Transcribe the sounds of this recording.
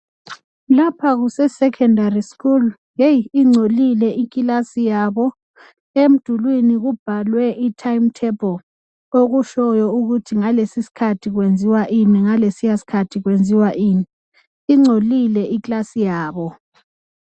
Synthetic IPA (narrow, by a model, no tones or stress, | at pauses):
lapʰaɣusɛsɛkʰɛndariskul | jejiŋ͡ǀʱolilɛʔikʼilasijaβɔ | em̩d̥ʱulwiniɣub̥ʱalwɛʔitʰajm̩tʰɛbʰʱɔ | oɣuʃɔjɔuɣutʰiŋalesisi̥kʰatʰiɣwend͡zʱiwaʔimiŋalesijasi̥kʰatʰiɣwend͡zʱiwaʔiːmiː | ŋ͡ǀʱolilɛʔiklasijaːβɔ